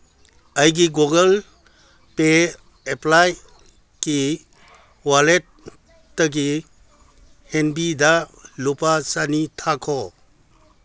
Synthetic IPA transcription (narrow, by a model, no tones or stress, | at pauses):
ajɡiɡoɡəl | pe | eplaj | ki | walet̚ː | əɡi | henbidalupasanitʰakʰɔ